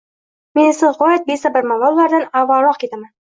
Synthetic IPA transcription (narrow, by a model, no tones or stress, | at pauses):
menɪsɪzʁɒjat̪̚besabɪɾmamɒlˠːaɾd̪anavaɾɒqkʰʲet̪aman